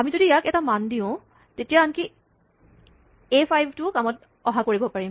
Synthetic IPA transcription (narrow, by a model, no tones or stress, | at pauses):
amizodijakɛtamandiʊ̃ | tetijaanki | epʰajbʱtʊkamɔt | ɔɦakoɹibɔpaɹim